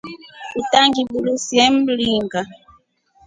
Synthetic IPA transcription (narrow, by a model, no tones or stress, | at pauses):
utaŋɡibulusjɛm̩liŋɡa